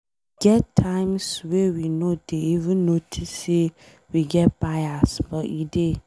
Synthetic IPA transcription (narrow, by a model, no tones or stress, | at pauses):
ɡɛtʰːãɪ̃mswɛwinod̥eivɨ̃nːotʰisːe | wiɡɛt̚b̥aɪasbɔʔide